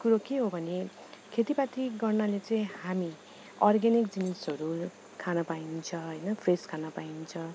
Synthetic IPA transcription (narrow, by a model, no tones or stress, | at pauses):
kuɾokeɦobʱʌne | kʰet̪ipat̪ʰiɡʌrnalet͡sʌĩhami | ʌrɡenikd͡zinisɦʌɾu | kʰanʌpaint͡sʰʌɦʌjnʌpʰreskʰanʌpaint͡sʰʌ